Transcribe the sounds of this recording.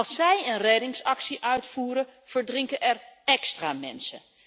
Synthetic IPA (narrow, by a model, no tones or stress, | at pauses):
lˠsɛjənrɛdɪŋsɑksiʔœɥtfuːɾənv̥əɹdrɪŋkənʔɛrɛkstraːmɛ̰nsə̰